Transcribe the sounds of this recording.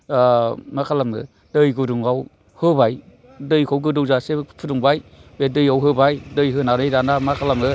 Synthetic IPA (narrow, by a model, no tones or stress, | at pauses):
makʰalamɯ̰ | dɯjɡɯduŋaw | hɯbaj | dɯjkʰawɡɯdɯwzasepʰuduŋbajbedɯjawɦɯbajdɯjɦɯnanɯjdanamakʰalamɯ